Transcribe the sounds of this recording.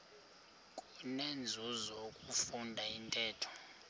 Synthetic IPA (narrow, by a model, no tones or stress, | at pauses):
kʼunend͡zʱuzokʼufundʱaintʼɛːtʰɔ̥